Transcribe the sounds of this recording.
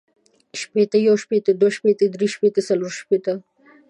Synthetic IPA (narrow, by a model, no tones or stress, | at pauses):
ʃpet̪əjawʃpet̪əd̪waʃpet̪əd̪ɾiʃpet̪əsaloɾʃpet̪ə